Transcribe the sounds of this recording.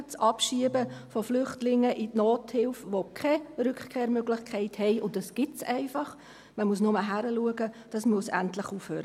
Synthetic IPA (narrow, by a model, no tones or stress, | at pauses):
t͡sʔɑpʃiəbəfɔflʏχtlɪŋːəʔitnoːthɪlfʋokʰɛɾʏkχkʰeːɾmøɡlɪχkʰɛɪthɛɪʊntd̥ɑsɡ̥ɪtsɛɪfɑχ | məmuəsnʊməɦæɾəluəɡəd̥ɑsmuəsæntlɪχuːfhøːɾə